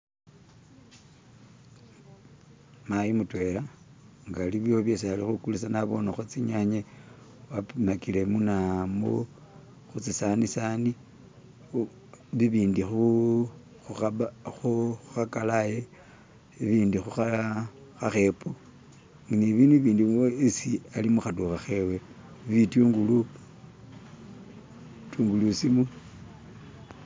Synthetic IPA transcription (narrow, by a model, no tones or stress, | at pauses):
majimutwe̞laŋɡaliβjoβjesaalixukulusanaβo̞naxot͡siɲaɲe | wapmakile̞munamo̰ | xut͡sisanisani | βiβiːndixu | xuaxuuxakalaje | iβiːndixuxa | xaxe̞po | ŋniβinuβiːndioisialimuxatuxaxewe | βituŋɡulu | tuːŋɡulusimu